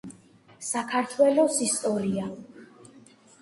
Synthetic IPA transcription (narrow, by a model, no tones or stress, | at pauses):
sakʰaɾt̪ʰwɛlɔsist̪ʼɔɾia